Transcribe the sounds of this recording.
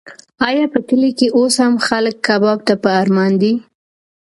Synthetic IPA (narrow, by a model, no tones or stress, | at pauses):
ɑjɑpəʈəlekeʔoshamxaləkːɑbɑb̚t̪apəaɾmɑnd̪i